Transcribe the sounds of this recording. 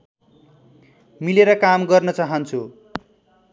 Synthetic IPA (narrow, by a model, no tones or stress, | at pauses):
mileɾʌkamɡʌrnʌt͡saɦʌnt͡sʰu